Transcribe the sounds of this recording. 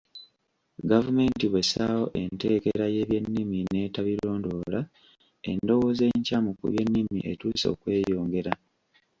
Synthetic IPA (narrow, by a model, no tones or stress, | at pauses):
ɡavume̞ntiβwe̞saːwo̞ʔe̞nte̞ːke̞ɾaje̞ːβje̞nːimine̞ːtaβiɾo̞ːndo̞la | e̞̰ndo̞wo̞ze̞ɲcamukṵβje̞nːimḭʔe̞tuːso̞̰ːkwe̞ːjo̞ːŋɡe̞ɾa